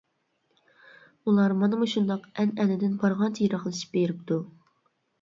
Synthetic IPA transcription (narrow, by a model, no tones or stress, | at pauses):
ulˠɑɾmɑnɨmuʃund̪ɑqɛnɛnɪd̪ɪnbɑɾʁɑnt̪ʰijɾɑχlˠɨʃi̥p̚beɾɪpt̪u